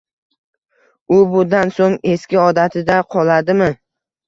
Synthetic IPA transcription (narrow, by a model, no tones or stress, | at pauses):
ʊbʊd̪ansoŋe̞skʲɪɒd̪at̪ʰɪd̪aqʰɒlad̪ɪmɪ